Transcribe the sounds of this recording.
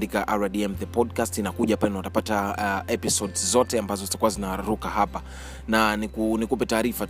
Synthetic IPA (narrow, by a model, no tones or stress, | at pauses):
dikaʔaɾaɗiɛmðɛpɔdkastinakuʄapanawatapataɛpisɔdzzɔtɛambazɔzitakuwazinaɾukahapa | nanikunikupɛtaːɾifa